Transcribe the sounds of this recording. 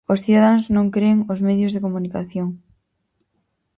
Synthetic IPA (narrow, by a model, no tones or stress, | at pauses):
osθiðaðaŋznõŋkɾeŋozmeðjozðekomunikaθjoŋ